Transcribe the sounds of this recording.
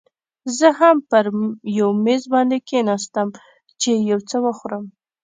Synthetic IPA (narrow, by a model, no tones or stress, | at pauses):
zəɦampəɾjawmezbɑnd̪ekenɑst̪əm | t͡ʃejawt͡səwəxuɾəm